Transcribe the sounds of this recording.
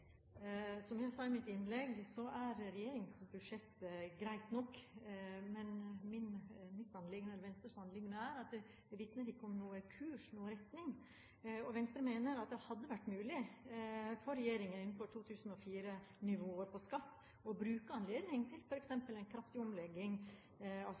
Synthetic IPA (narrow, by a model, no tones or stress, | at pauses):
sɔmjæɪsɑɪmɪt̪ɪnːlɛɡsɔæɾɾɛjeːɾɪŋsbʉd̪ʂɛt̪ːɡɾæɪt̪nɔkː | mɛnmɪnmɪt̪ɑnlɪɡənəɛlʋɛnst̪əɾʂhɑnlɪɡnəæɾɑt̪̚d̪ɛ | d̪ɛʋɪt̪nəɾɪkːəɔmnuːəkʰʉːʂnuːəɾɛt̪nɪŋ | ɔʋɛnst̪ɾəmeːnəɾɑt̪̚d̪ɛhɑd̪ːəʋæʈːmʉːlɪ | fɔɾːɛjeːɾɪŋənɪnːfɔʈʰuːt̪ʰʉːsn̩ɔfiːɾənɪʋoːɾpʰɔskɑt̪ː | ɔbɾʉːkəɑnleːd̪nɪŋt̪ʰɪlfɔɾɛksɛmpəlɛɪnkʰɾɑft̪ɪɔmlɛɡːɪŋ | ɑ